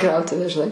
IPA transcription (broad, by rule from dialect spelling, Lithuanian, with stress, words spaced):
ˈkrɐʊtʊʋʲæː ʒʲɪˈnɐɪ